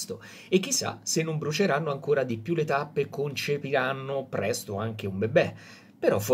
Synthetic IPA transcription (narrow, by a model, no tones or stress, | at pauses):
st̪o | ek̟ːisːa̰senːombɾut͡ʃeɾanːoaŋkoːɾad̪ipjulet̪apːekont͡ʃepiɾanːopɾɛst̪oaŋk̟eumbebɛ | peɾɔf